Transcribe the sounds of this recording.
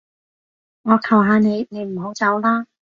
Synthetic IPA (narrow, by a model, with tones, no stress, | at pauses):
ŋɔː˨˧kʰɐ˨˩wɦaː˨˧ne˨˧jne˨˧jm̩˨˩ɦo˨˧˥wt͡sɐ˨˧wlaː˥